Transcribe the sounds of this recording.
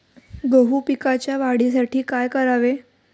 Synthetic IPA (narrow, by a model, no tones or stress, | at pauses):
ɡoɦupikat͡ɕjaʋaɽis̬aʈʰiːkajkəɾaʋe